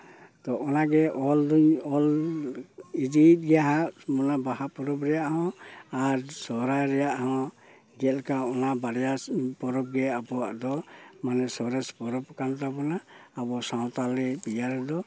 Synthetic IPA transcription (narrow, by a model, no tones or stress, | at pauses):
t̪ɔɔnaɡɛʔɔld̪uɲɔl | id̪it̪̚ɡɛaɦaʔmɔnabaɦapɔɾɔpɾɛjaʔhɔ̃aɾsɔɾajɾɛjaʔhɔ̃ | ɡɛlkaɔnabaɾɛjapɔɾɔp̚ɡɛabɔaʔd̪ɔmanɛsɔɾɛspɔɾɔp̚kant̪abɔnaːbɔsawt̪alɛpijaɾɛd̪ɔ